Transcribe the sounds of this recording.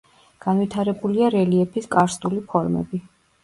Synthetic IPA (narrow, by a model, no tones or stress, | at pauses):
ɡ̥anvit̪ʰaɾɛbuliaɾɛliɛpʰiskʼaɾst̪ʼulipʰɔɾmɛ̰bi